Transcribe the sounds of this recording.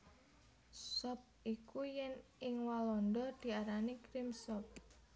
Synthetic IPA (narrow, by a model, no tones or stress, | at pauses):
sɔp̚ikujɛnɪŋwalɔndɔd̪̥i̤aɾanikɾimsɔp̚